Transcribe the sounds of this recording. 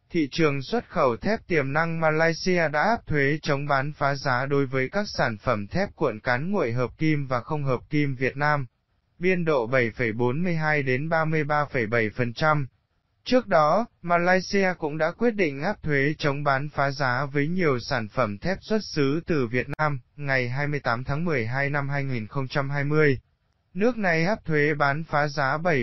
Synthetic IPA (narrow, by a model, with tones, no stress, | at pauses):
t̪ʰḭ˧˨t͡ɕɨ˨˩əŋswə˦˥t̚xə˧˩wt̪ʰɛ˦˥p̚t̪i˨˩əmna˧ŋmaː˧laː˧jsi˧aː˧ɗa̰ː˧˥ʔaː˦˥p̚t̪ʰwe˨˦t͡ɕə˨˦wŋ͡mɓaː˨˦nfaː˨˦zaː˨˦ɗo˨˦jvəː˨˦jkaː˦˥k̚saː˧˩nfə˧˩mt̪ʰɛ˦˥p̚kwə̰˧˨nkaː˨˦nŋo̰˧˨jɦəː˨˩p̚ki˧mvaː˨˩xə˧wŋ͡mɦəː˨˩p̚ki˧mvi˨˩ət̚naː˧m | ɓi˧ənɗo̰˧˨ɓə˧˩jfə˧˩jɓo˨˦nmɨ˧əjɦaː˧jɗe˨˦nɓaː˧mɨ˧əjɓaː˧fə˧˩jɓə˧˩jfə˨˩nt͡ɕa˧m | t͡ɕɨ˦˥ək̚ɗɔ˨˦maː˧laː˧jsi˧aː˧kʊ̰˧˥ŋ͡mɗa̰ː˧˥kwi˦˥ət̚ɗḭ̈˧˨ŋ̟ʔaː˦˥p̚t̪ʰwe˨˦t͡ɕə˨˦wŋ͡mɓaː˨˦nfaː˨˦zaː˨˦vəː˨˦jɲi˨˩əwsaː˧˩nfə˧˩mt̪ʰɛ˦˥p̚swə˦˥t̚sɨ˨˦t̪ɨ˨˩vi˨˩ət̚naː˧mŋa˨˩jɦaː˧jmɨ˧əjt̪aː˨˦mt̪ʰaː˨˦ŋmɨ˨˩əjɦaː˧jna˧mɦaː˧jŋi˨˩nxə˧wŋ͡mt͡ɕa˧mɦaː˧jmɨ˧əj | nɨ˦˥ək̚na˨˩jʔaː˦˥p̚t̪ʰwe˨˦ɓaː˨˦nfaː˨˦zaː˨˦ɓə˧˩j